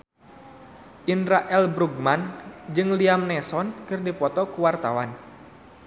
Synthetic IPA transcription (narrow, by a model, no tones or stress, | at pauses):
ʔinɾaʔɛlbɾuɡ̚mand͡ʒɨŋliamnɛsɔnkɨrdipɔt̪ɔkuwart̪awan